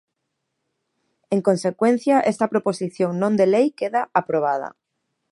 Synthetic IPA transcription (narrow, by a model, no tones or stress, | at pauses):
eŋkõnsekwen̟θjaʔest̪ɐpɾoposiθjõŋnõnd̪elejkeðaʔapɾoβað̞ɐ̰